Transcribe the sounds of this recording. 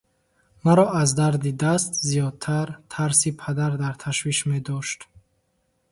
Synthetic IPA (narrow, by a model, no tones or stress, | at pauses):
maɾɔazd̪aɾd̪id̪ast̪zijɔd̪̚t̪ʰaɾt̪ʰaɾsipʰad̪aɾd̪aɾt̪ʰaʃviʃmed̪ɔʃt̪